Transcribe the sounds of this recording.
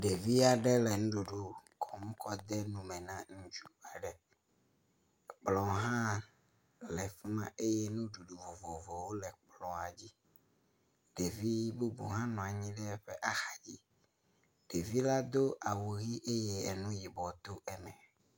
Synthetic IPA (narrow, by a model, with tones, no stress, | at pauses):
ɖe˨vi˦a˨ɖɛ˦lɛ˨nũ˦ɖo˨ɖo˦kʰɔ˨mũ˦kʰɔ˦d̪ɛ˦nũ˨mɛ̃˨nã˦ŋũ˦d͡ʒu˦a˨ɖɛ˨ | k͡plɔ̃˨˦ɦã˦ | lɛ˨fi˦mã˦ʔe˦je˦nũ˦ɖu˨ɖu˨vɔ˨vɔ˨vɔ˨wo˦lɛ˨k͡plɔ̃˨a˨d͡ʑi˦ | ɖe˨vi˦bu˦bo̰˨ɦã˦nɔ̃˨a˨ɲĩ˦ɖɛ˦ɸe˦ʔa˦xa˨d͡ʑi˦ | ɖ̥e˨vi˦la˦d̪o˦ʔa˨wo˨ɣi˦ʔe˦je˦ɛ˨nũ˦ji˨bɔ˨t̪o˦ɛ˦mɛ̃˨